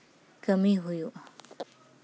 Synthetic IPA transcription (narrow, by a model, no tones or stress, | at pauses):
kəmiɦujuʔ